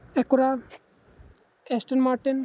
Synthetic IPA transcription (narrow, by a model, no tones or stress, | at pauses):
ɛkoɾa | ɛsʈenmaɾʈin